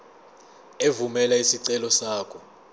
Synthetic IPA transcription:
evumɛlaisiǀɛlɔsaːkʰɔ

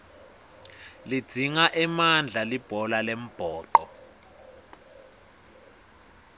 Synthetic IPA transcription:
li̥d͡z̥ʱiŋaʔɛmand͡ɮʱalib̥ʱɔlalem̩b̥ʱɔːǃɔ

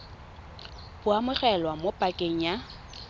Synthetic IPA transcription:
b̥ʊamʊχɛlwamopʼakʼeŋ̩ja

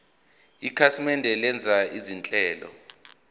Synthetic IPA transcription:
ikʰasimɛndʱɛlɛnd͡zʱaizint͡ɬʼɛːlɔ̰

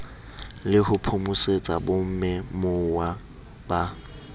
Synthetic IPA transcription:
lɪhʊpʰʊmʊset͡sʼa̰bom̩mɛmʊwa | ba

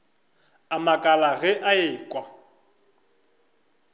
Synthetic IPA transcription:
amakʼalaɣɛʔaeːkʼwa

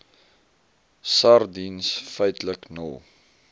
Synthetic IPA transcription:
sardinsfəjtləknə̰lˠ

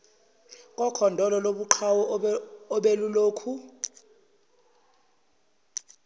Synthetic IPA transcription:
kʼɔkʰɔndʱɔlɔloɓuǃʰawɔː | ɓeluloːkʰu

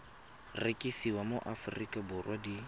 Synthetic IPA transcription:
rɪkʼisiwamoʔafʊrikʼabʊrwadi

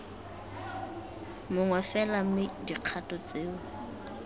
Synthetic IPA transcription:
mʊŋwɛfɛlamɪdiq͡χʰatʼɔt͡sʼeːʊ

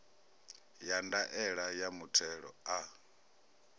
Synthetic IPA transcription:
jandaʔɛɺajamutʰɛɺɔ̰a

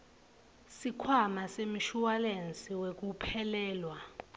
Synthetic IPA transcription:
sikʰwamasem̩ʃuwalent͡sʼiwek̬upʰɛlɛːlwa

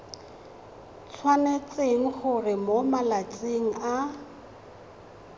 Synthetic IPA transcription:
t͡sʰwanet͡sʼeŋ̩χʊrɪmomalat͡sʼeŋ̩a

